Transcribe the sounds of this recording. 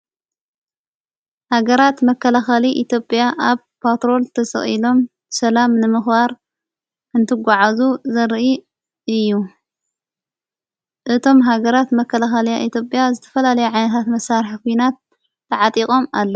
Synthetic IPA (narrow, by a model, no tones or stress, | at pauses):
haɡɐɾat̪mɐkʰːɐlaxaliʔit̪ʰjo̞pʼjaʔaβ | pʰat̪ɾo̞lt̪ʰɐsɐ̰χʼḭlo̞m | sɐlamnɨmɨxbaɾ | ɨnt̪ʰɨɡʷaʕazuzɐɾʔi | ɨjːu | ʔɨt̪ʰo̞mɦaɡɐɾat̪mɐkʰːɐlaxaljaʔit̪ʰjo̞pʼjazɨt̪ʰɐ̥fɐlalɐjuʕajnɐt̪ʰat̪mɐsːaɾħkʰujnat̪̚ː | ɐʕat̪ʼikʼo̞malːɐ